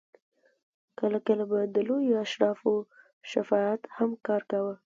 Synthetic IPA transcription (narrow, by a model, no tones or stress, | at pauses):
kəlakəlabad̪əlojoaʃɾɑfo | ʃafɑat̪hamkɑɾkawə